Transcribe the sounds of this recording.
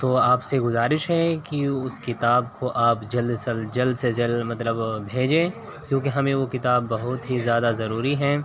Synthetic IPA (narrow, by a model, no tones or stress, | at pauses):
t̪oːaːpseɡʊzaːɾɪʃɦɛkiʊskɪt̪aːb̚koʔaːpd͡ʒɐlsɐld͡ʒɐld̪sed͡ʒɐlmɐt̪ləbbʱeːd͡ʒẽː | kjõːkeɦɐmẽʋokɪt̪aːbːɐɦʊt̪ɦizjaːd̪azɐɾuːɾiɦɛ̃ː